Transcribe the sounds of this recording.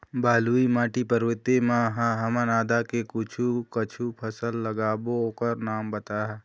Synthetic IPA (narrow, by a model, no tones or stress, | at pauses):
bʱaːluimaːʈipəɾʋɪt̪emãɦãɦɐmanaːd̪ʱakekʊt͡ʃʰukət͡ʃʰupʰəsəlːəɡaːbookəɾnaːmbət̪aɦɛ